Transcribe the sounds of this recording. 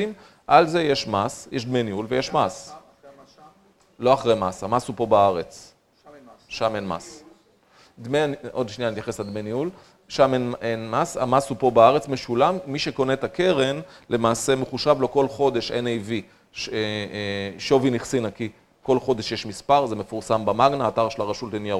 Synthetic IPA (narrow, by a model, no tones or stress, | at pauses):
im | ʔalzejeʃmasjeʃd̪menjulvejeʃmas | lo̞aχʁejmashamashupo̞baaʁet͡s | ʃamenma̰s | d̪meno̞d̪ʃnijanit̪jaχesald̪meniul | ʃamenenmasa̰mashupo̞baaʁet͡sme̞ʃulamːiʃe̞ko̞net̪ake̞ʁe̞nle̞maːse̞me̞χuʃavlo̞ko̞lχo̞d̪e̞ʃenejvi | ʃ | ʃo̞viniχsinaki | ko̞lχo̞d̪e̞ʃjeʃmispaʁzemefuʁsambamaɡnaːtaʁʃelaʁaʃultenijaʁ